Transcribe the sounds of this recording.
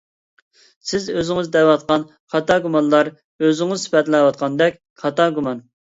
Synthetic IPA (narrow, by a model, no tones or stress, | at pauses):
sɪzøzɪŋɨzd̪ɛwwɑt̪̚qɑn | qʰɑt̪ɑɡumɑnlˠɑɾ | øzɪŋɨzsɪ̥pɛt̪lɛwɑt̪̚qʰɑnd̪ɛk̚ʲ | qʰɑt̪ɑɡumɑn